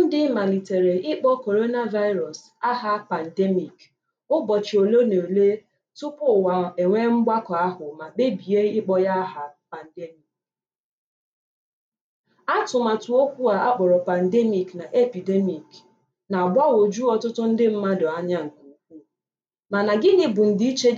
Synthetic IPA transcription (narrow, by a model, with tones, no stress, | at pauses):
n̩˦dɪ˦ma˨li˨te˨ɾe˨ɪ˦k͡pɔ˦ko˨ɾo˦na˦va˦ɪ˦ɾɔ˨s | a˦ɦa˦pa˨n̩˨de˦mi˨k | ʊ˦bɔ˨t͡ʃɪ˨o˨lo˦ne˨le˦ | tʊ˦pʊ˦˨wa˨e˨ŋʷe˦ŋ͡m̩˦ɡ͡ba˦kɔ˨a˦ɦʊ˨ma˨k͡pe˦bi˨je˦ɪ˦k͡pɔ˦ja˦ɦa˦pa˨n̩˨de˦mi˨k | a˦tʊ˨ma˨tu˨o˦kʷu˦a˨a˦k͡pɔ˨ɾɔ˨pa˨n̩˨de˦mi˨kna˨ʔe˦pi˨de˦mi˨k | na˨bʷa˦wo˨d͡ʒu˦ɔ˨tʊ˦tʊ˦n̩˦dɪ˦m̩˦ma˦dɔ˨a˦ɲa˦ŋ̩˨ku˨u˦kʷu˦ | ma˨na˨ɡɪ˦nɪ˨bʊ˨n̩˨dɪ˦i˦t͡ʃe˦